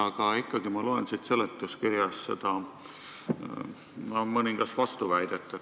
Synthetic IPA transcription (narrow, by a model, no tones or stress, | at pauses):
ɑɡ̥ɑikˑːɑɡ̥imɑloensit̪se̞let̪ːˑuskiɾjɑsse̞̰d̪̥ɑ | mɑmɤniŋɡ̥ɑsvɑst̪uvæjd̪̥et̪ˑːɑ